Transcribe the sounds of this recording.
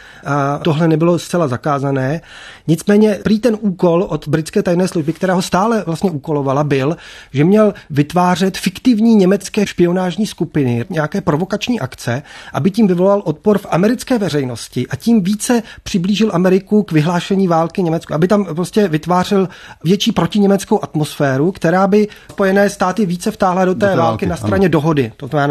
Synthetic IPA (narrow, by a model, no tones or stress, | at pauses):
ʔat̪oɦlɛnɛbɪlost̪t͡sɛlazakaːzanɛːɲɪt͡smɛːɲɛpɾiːt̪ɛnʔuːko̞lʔot̪bɾɪt͡skɛːt̪ajnɛːsluʒbɪk̚t̪ɛɾɛːɦost̪aːlɛvlast̪ɲɛʔuːko̞lovalabɪlʒɛmɲɛlvɪt̪vaːr̝ɛt̪fɪkt̪ɪvɲiːɲɛmɛt͡skɛːʃpɪo̞naːʒɲiːskupɪnɪɲɛakɛːpɾo̞vo̞kat͡ʃɲiːʔakt͡sɛʔa̰bɪciːmvɪvo̞lalʔot̪̚poɾfʔamɛɾɪt͡skɛːvɛrɛjno̞scɪʔaciːmviːt͡sɛpr̥ɪbliːʒɪlʔamɛɾɪkukvɪɦlaːʃɛɲiːvaːlkɪɲɛmɛt͡skuʔabɪt̪ampɾoscɛvɪt̪vaːr̝ɪlvjɛt͡ʃiːpɾo̞cɪɲɛmɛt͡skowʔat̪mo̞sfɛːɾukt̪ɛɾaːbɪspo̞jɛnɛːst̪aːt̪ɪviːt͡sɛft̪aːɦladot̪ɛːvaːlkɪnast̪ɾaɲɛdo̞ɦo̞dɪt̪oznamɛna